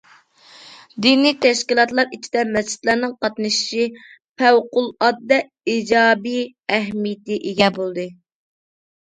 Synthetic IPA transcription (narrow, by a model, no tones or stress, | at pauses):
d̪inijt̪ʰɛʃkʲilˠɑt̪lˠɑɾit͡ʃʰi̥d̪ɛmɛzt͡ʃʰɪ̥t̪lˠɑɾnɨŋqɑt̪nɨʃi̥ʃi | pʰɛwqʊlˠɑd̪ːɛ | id͡ʒɑːbi | ɛɦmijɪt̪ɪʔeɡʲɛbolˠd̪ɨ